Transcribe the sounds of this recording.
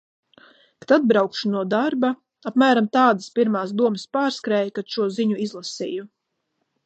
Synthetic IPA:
kḁt̪ad̪̚bɾawkʃunuɔd̪aɾba | apmæːɾamt̪aːd̪aspiɾmaːs̬d̪uɔməspaːɾskɾɛːjkad̪̥ʃuɔziɲuizlˠasḭːju

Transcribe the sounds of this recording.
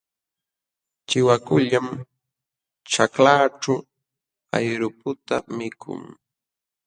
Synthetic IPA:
t͡ʃɪwakʊʎam | t͡ʃaklaːʈ͡ʂa | a̰jɾʊpʊt̪amɪkʰʊ̰ŋ

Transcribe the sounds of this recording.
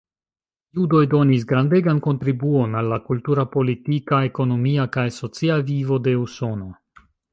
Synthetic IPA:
judo̞jdo̞nis̬ɡɾande̞ɡanko̞ntɾibuo̞nalːakultuɾapo̞litikae̞ko̞no̞miakajso̞t͡siavivo̞de̞uso̞no

